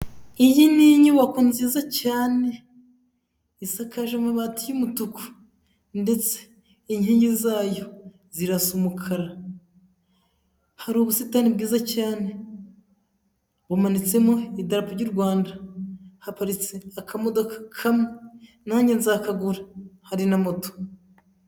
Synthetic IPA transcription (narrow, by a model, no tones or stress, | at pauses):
ijiniɲiwakonziːzacaːne̞ | isakaʒemaβatijumutuko̥ | nde̞t͡se̥ | iɲhiːɲɟizaːjo̞ | ziɾasumukʰaɾa | haɾoβusitanibɡiːzacaːne | βumanit͡se̞mo̞idaɾapoɾɟuɾɡwaːndahapaɾit͡seakʰamo̞do̞kḁkʰame | naːɲɟenzakaɡuɾahaɾinamo̞to̥